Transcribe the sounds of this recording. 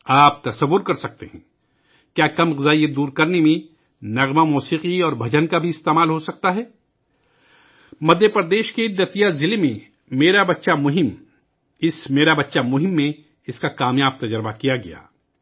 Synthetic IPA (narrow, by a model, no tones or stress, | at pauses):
aːp̚t̪ɐsɐʋːʊɾkɐɾsɐk̚t̪eɦɛ̰̃ | kjaːkɐmʁɪzaːijəd̪uːɾkɐɾnemẽ | nɐɣmamɔːsiːqiɔːɾbʱɐd͡ʒənkabʱiɪst̪eːmaːlɦosɐk̚t̪aɦɛː | mɐd̪ʱjəpɾəd̪eːʃkeɪd̪ːət̪ijazɪlemẽ | meːɾabɐtːʃamʊɦɪm | ɪsmeːɾabɐtːʃamʊɦɪmːẽ | ɪskakaːmjaːb̚t̪ɐd͡ʒəɾbakijaɡɐja̰ː